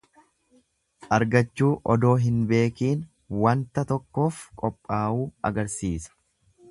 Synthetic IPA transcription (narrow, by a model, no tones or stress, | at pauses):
ʔɐɾɡɐt͡ʃːuːʔɔd̪o̞ːɦɪnbe̞ːkiːn | wɐnt̪ɐt̪ɔkːo̞ːfkʼɔpʼːaːʔuːɐ̰ɡɐɾsiːsɐ̥